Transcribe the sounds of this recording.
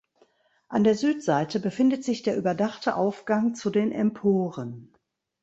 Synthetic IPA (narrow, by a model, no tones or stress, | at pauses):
ʔandeːɐzyːtz̥aɪtəbəfɪndətz̥ɪçd̥eːɐʔyːbɐdaχtʰəʔaʊfɡ̥aŋt͡sudeːnʔɛ̰mpʰoːʁən